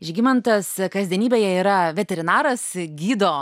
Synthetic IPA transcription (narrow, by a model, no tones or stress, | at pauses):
ʒʲɡʲɪmɐnt̪ɐskɐzʲd̪ʲiɛnʲiːbʲeːjɛiːɾɐʋʲɛt̪ʲɛɾʲɪnɑːɾɐsɡʲiːd̪oː